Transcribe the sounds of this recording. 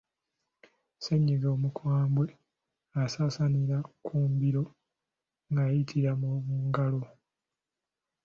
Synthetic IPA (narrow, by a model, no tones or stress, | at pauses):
seɲːiɡo̞ːmukwaːmbwe̞ | asaːsaniɾakʰuːmbiɾo̞ | ŋɡajitʰiɾamoβuːŋɡalo̞